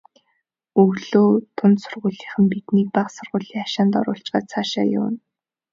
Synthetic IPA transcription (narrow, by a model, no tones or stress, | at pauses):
ɵɣɮoːt̪ʰʊnt̪sʊrʁʊːɮiːχɘ̆mpit̪niːk̚paχsʊrʁʊːɮiːŋaʃaːnt̪ɔ̰ɾʊːɬt͡ɕɢaːt͡sʰaːʃa̰ːjʊ̰ːn